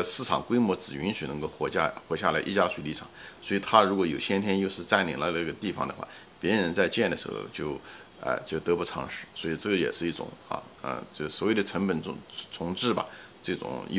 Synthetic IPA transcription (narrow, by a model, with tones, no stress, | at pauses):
sɹ̩˥˩ʈ͡ʂʰɑ̰˨˩ŋkwe˥ɪmwɔ˧˥t͡sɹ̩˨˩ɥy˧˥nɕy˨˩nə˧˥ŋko˥˧ʊxwɔ˧˥t͡ɕa̰˥˧xwɔ˧˥ɕja˥˩la˧˥ɪʔi˥˩t͡ɕja˥ʂwe˧˩li˥˩ʈ͡ʂʰɑ̰˨˩˦ŋswɔ˧˥i˨˩t̪ʰa˥ɻu˧˥kwɔ˧˥jo˨˩ʊɕjɛ˥nt̪ʰjɛ˥njo˥˧ʊʂɻ̩˥˧t͡sa˥˩nlḭ˨˩ŋlə˧˥lə˧˥˩ɡə˧t̪i˥˩fɑ̰˨˩ŋd̪ə˦xwa̰˥˩ | pjɛ˧˥ɻə˧˥nt͡sa˥˧ɪt͡ɕjɛ˥˩nd̪ə˩ʂɻ̩˧˥xo̰˥˧ʊt͡ɕjo˥˧ʊ | ə̰˧t͡ɕjo˥˩ʊt̪ɤ˧˥pu˧˥˩t͡sʰɑ̰˧˥ŋʂɻ̩˥˩swɔ˧˥i˨˩ʈ͡ʂɤ˥˩ɡə˩jɛ̰˨˩ʂɻ̩˥˧i˥˩ʈ͡ʂʊ̰˨˩˦ŋɐ̰˧˩ | ə̰˧t͡ɕjo˥˧˩sɔ˨˩˥we˥˩d̪ə˩ʈ͡ʂʰə˧˥ŋpə˨˩nʊ˧˥t͡sʰʊ˧˥ŋʈ͡ʂɻ̩˥˩bɐ̰˨ | ʈ͡ʂɤ˥˩ʈ͡ʂʊ̰˨˩˦ŋ